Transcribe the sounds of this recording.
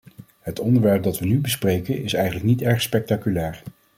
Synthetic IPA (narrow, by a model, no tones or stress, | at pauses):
ɦətɔndəɹʋɛɹp̚dɑtʋənybəsprejkənɪsɛjχənləknitɛɹχspɛk̚takylɛːɹ